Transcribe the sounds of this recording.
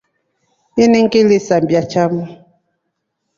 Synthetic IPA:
iniŋ̩kilisambjat͡ʃamu

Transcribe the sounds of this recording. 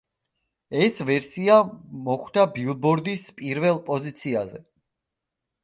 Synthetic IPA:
ɛsvɛɾsiamɔχwd̪abilˠbɔɾd̪ispʼiɾvɛlˠpʼɔzit̪sʰiazɛ

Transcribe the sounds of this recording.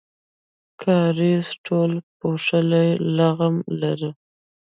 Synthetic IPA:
kʰɑɾizʈolpoʂəlajlaɣamlaɾə

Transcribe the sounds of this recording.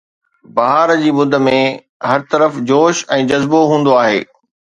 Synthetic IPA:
bɐɦaːɾd͡ʑiːmʊd̪ʱə̆mẽ | ɦɐɾt̪ɐɾəfd͡ʑoːʃɛ̃ːd͡ʑɐzboɦũːnd̪oaːɦḛː

